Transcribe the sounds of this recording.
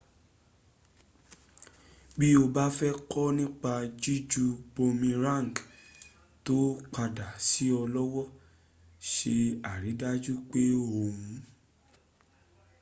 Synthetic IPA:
bi˦o˧ba˦fɛ˦kɔ˦nĩ˦k͡pa˧d͡ʒi˦d͡ʒu˧bo˧mĩ˧ɾã˦˨ŋ˨k | to˦k͡pa˧da˨si˨˦ɔ˧lɔ˦wɔ˦ | ʃe˧a˨ɾi˨˦da˦d͡ʒu˦k͡pe˦o˧hũ˨˦

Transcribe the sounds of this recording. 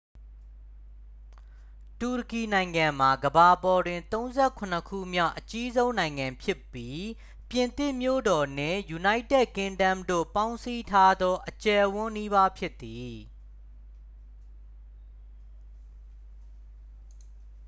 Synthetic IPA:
tu˨ɹəki˨nã˨ɪ̃ŋã˨m̥a˨ɡəba˨pɔ˨dwɪ̃˨nt̪õ˦ʊ̃nzɛ˦˨kʰʊ̃˨n̥əkʰṵ˦˨mja̰˦˨ʔət͡ɕi˦zõ˦ʊ̃nã˨ɪ̃ŋã˨mpʰjɪ˦pːji˦ | pjɪ̃˨nt̪ɪ̃˦˨mjo̰˦˨dɔ˨n̥ɪ̰̃˦˨ju˨na˦ɪtɛ˦˨ʔ̚kɪ̃˦ndã˦˨mdo̰˦˨pã˦ʊ̃nsi˦tʰa˦d̪ɔ˦ʔət͡ɕɛ˨ʔwʊ̃˦ni˦βa˦pʰjɪ˦t̪ːi˨

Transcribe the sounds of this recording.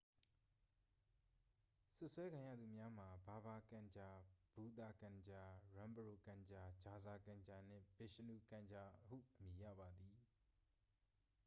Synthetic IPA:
sʊ˦ʔswɛ˦kʰã˨jä̰˦˨d̪u˨mja˦m̥a˨ba˨ba˨kã˨ɲd͡ʑa˨b̥u˨d̪a˨kã˨ɲd͡ʑa˨ɹã˨mbəɹo˨kã˨ɲd͡ʑa˨d͡ʑa˨za˨kã˨ɲd͡ʑa˨n̥ɪ̰̃˦˨b̥ɪ˨ʃə˨nu˨kã˨ɲd͡ʑa˨hṵ˦˨ʔəmji˨jä̰˦˨ba˨d̪i˨

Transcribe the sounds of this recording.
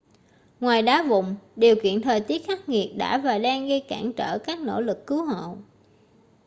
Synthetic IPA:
ŋwaː˨˩jɗaː˨˦vʊ̰˧˨ŋ͡mɗi˨˩əwkḭ˧˨ənt̪ʰəː˨˩jt̪i˦˥ət̚xa˦˥k̚ŋi˨˩ət̚ɗa̰ː˧˥vaː˨˩ɗa˧nɣə˧jkaː˧˩nt͡ɕəː˧˩kaː˦˥k̚no̰˧˥lɨ˨˩kːɨ˨˦wɦo̰˧˨

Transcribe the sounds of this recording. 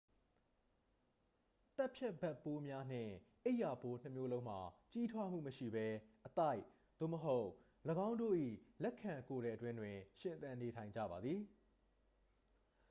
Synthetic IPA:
t̪a˦ʔpʰjɛ˦˨bɛ˦˨pːo˦mja˦n̥ɪ̰̃˦˨ʔe˦ɪʔja˨po˨n̥ə˦mjo˦lõ˦ʊ̃m̥a˨t͡ɕi˦tʰwa˦m̥ṵ˦˨məʃḭ˦˨bɛ˦ʔət̪a˦˨ɪʔ | d̪̥o̰˦˨məɦo˦ʊʔ | ləɡã˦ʊ̃ndo̰˦˨ʔḭ˦˨lɛ˦kʰã˨ŋko˨ɾɛ˨ətwɪ̃˦ndwɪ̃˨ʃɪ̃˨nt̪ã˨ne˨tʰã˨ɪ̃ɲd͡ʑä̰˦˨ba˨d̪ði˨

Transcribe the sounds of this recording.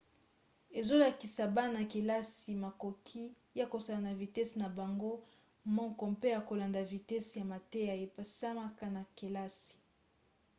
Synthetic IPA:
e˨zo˦la˨ki˨sa˨ba˦na˨ke˨la˦si˨ma˨ko˨kʰi˦ | ja˦ko˨sa˦la˨na˨vi˨tɛ˦sna˨ba˨ŋɡo˦ | mɔ˦ŋkɔ˨mpe˦ja˨ko˨la˨nda˨vi˨tɛ˦sja˨ma˨te˦ja˨e˨pa˨sa˦ma˦ka˦na˨ke˨la˦si̥˨

